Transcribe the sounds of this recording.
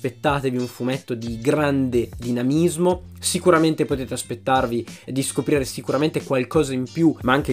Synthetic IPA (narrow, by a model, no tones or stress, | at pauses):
pet̪ːaːt̪eviuɱfumet̪ːod̪iɡɾand̪ed̪inamizmo | sikuɾament̪epot̪eːt̪easpet̪ːarvid̪iskopɾiːɾesikuɾament̪ekwalkɔːzaimpjumaaŋk̟e